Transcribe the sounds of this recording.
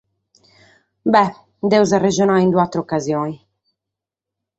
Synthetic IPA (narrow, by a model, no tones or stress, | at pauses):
bɛ | d̪ɛwzarːɛd͡ʒɔnaind̪uat̪ːɾeɔkːazjɔːni